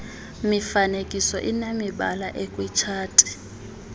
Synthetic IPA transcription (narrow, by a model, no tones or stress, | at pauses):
mifanekʼisɔʔinemiɓa̰laʔekʼwit͡ʃʰaːtʼi̥